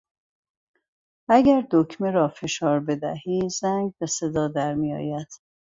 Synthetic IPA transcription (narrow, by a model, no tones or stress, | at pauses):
ʔæɡæɾd̪okʰmeɾɒːfe̞ʃɒːɾbe̞d̪æ̰hiːzæŋɡ̚be̞se̞d̪ɒːd̪æɾmijɒ̰ːjæd̪̥